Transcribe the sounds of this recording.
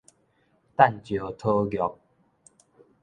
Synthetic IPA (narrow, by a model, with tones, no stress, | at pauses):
t̪a˥˨nt͡ɕjo˨˩t̪ʰo˦ɡjɔ˨˦k̚